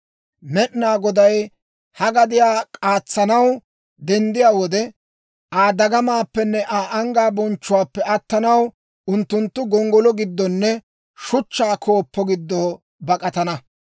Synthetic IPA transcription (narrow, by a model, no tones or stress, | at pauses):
mɛʔnaːɡɔd̪ɐj | hɐɡɐd̪ɪjaːkʼaːt͡sːɐnɐw | d̪ɛnd̪ɪjaːwɔd̪ɛ | ʔaːd̪ɐɡɐmaːpːɛnːɛʔaːʔɐŋɡaːbɔnt͡ʃːʊwaːpːɛɐt̪ːɐnɐw | ʊnt̪ːʊnt̪ːʊɡɔŋɡɔlɔɡɪd̪ːɔnːɛ | ʃʊt͡ʃːaːkʰo̞ːpːɔɡɪd̪ːɔː | bɐkʼɐt̪ɐnɐ